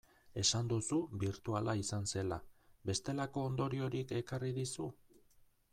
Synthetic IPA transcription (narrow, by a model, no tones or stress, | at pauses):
e̞sand̪usubiɾt̪ualaisanse̞labe̞st̪e̞lako̞ːnd̪o̞ɾio̞ɾike̞kariðisu